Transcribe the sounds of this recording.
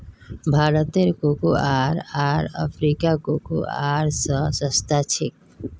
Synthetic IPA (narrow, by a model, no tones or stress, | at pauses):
bʱaːɾət̪eɾkokoʔaːɾaːɾə̰pʰɾikakoko̰a̰ɾsəsəst̪ʰat͡ʃʰɪk̚